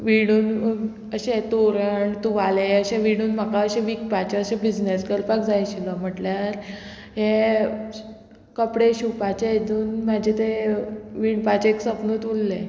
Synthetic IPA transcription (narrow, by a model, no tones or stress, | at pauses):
ʋiɽ̃uːn | əɕet̪oɾəɳt̪uʋaleəɕẽʋiɽ̃uːnm̤akaəɕeʋikpat͡ɕəɕebid͡znesɡəlpak̚d͡zajɕilɔm̤əʈljaɾ | ɦẽ | kəpɽeɕupat͡ɕeed̪ʱuːnmad͡ʑʱet̪eʋiɳpat͡ɕeksəpnuːt̪ʋulːe